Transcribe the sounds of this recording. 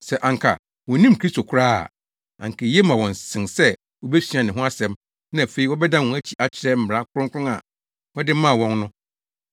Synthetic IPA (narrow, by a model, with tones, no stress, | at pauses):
sɛ˨ʔã˨ŋ˨kʰa̰˨ | wɔ̃˨nĩ˦m˨kʰɾi˦sto˨kʰʊ˦ɾa̰ː˦˨ | ã̰˨ŋ˨kʰe˨jɛ˦mã˨wɔ̃˨n˨sɪ̃˨nsɛ˦ | wɔ˨bɛ˦sɥi˨ã˨nɪ̃˨ɦʊ̃˦a˦sɛ̃˨m | nã˦æ˨fe˨i˦wɔ˦bɛ˦dã˦˨wɔ̃˨æ˦t͡ɕʰi˨ʔa˨t͡ɕʰɪ˨ɾɛ˦m̩˦˨m˨ɾa˦kʰʊ˦ɾʊ̃˦kʰʷʊ˦ʊ̃˦a˨ | wɔ˦dɪ˦mã˦˨wɔ̃˦nnʊ̃˦